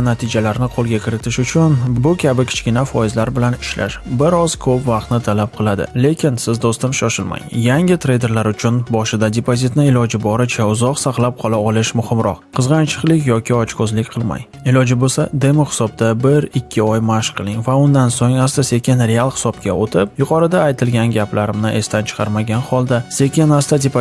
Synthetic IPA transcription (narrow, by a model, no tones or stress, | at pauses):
nat̪ʰɪd͡ʒalaɾnɪqʰolˠɡʲakʲʰɪɾɪt̪ʰɪʃʊt͡ʃʰʊnbʊkʲʰabɪkʲʰɪ̥t͡ʃkʲɪnafɒɪzlaɾbɪlanɪʃla̰ʃbɪɾɒzkʰɵpvɑqt̪nɪt̪ʰalap̚qʰɨlˠad̪ɪ̰le̞kʲʰɪnsɪzd̪ost̪ɪmʃɒʃɪlma̰ŋjaŋʲɪt̪ʰɾe̞jd̪e̞ɾlaɾʊt͡ʃʰʊnbɒʃɪd̪ad̪epozɪt̪nɪɪlɒd͡ʒɪbɒɾat͡ʃʰaʊzɒqsaqlˠap̚qʰɒlˠaɒlɪʃmʊhɪmɾɒ̰qqʰɨzʁɑnt͡ʃʰɨ̥qlˠɪkʲjɒkʲɪɒt͡ʃkʰozlɪkʲqʰɨlˠma̰j | ɪlɒd͡ʒɪbosad̪e̞moχɪ̥sɒb̚d̪abɪɾɪkʲʰːɪɒjmaʃqʰɨlˠɪŋvaʊnd̪ansoŋast̪ase̞kʲɪnɾe̞alˠhɪ̥sɒpkʲʰaot̪ʰɪp̚jʊqʰɒɾɪd̪aːjt̪ʰɪlɡʲanɡʲapʰlaɾɪmnɪʔe̞st̪ʰant͡ʃʰɨ̥qʰɑ̰ɾmaɡʲanχɒlˠd̪ase̞kʲɪnast̪ad̪ep